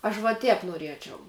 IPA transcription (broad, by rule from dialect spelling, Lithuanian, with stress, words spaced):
ɐʃ ʋɐ ˈtʲɛːp nuɔˈrʲiɛt͡ʃʲɛʊ